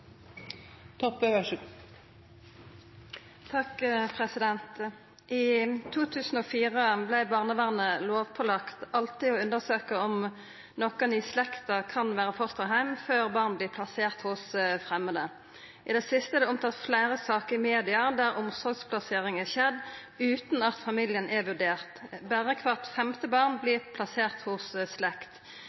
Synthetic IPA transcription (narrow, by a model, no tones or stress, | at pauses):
t̪ʰɔpəʋæʂ | t̪ʰɑkpʰʁɛsɪd̪ɛnt̪ | ʔiːt̪ʰuːt̪ʰʉːsn̩oːfiːʁəblɛɪbɑːʁnəʋæʁnəloːʋpʰɔlɑkt̪ɑlt̪ɪɔʉnd̪əʁsøːkəɔm | nɔkəniːslɛkt̪ɑkʰɑnʋæːʁəfɔʁst̪ɑɦæɪmføːʁbɑːʁnblɪːpʰlɑseːʁt̪hʊsfʁɛmːəd̪ə | ɪd̪ɛsɪst̪əɛd̪ɛʊmt̪ʰɑːt̪flæɪʁəsɑːkəɾɪmeːd̪ɪɑd̪æʁʊmsɔʁɡspʰlɑseːʁɪŋɛʃɛd̪ | ʉːt̪n̩ɑt̪fɑmiːljənʔɛʋʉdɖeːʁt̪bæːʁəkʰʋɑʁt̪fɛmt̪əbɑːʁnbliːpʰlɑseːʁt̪hʊsslɛkt̪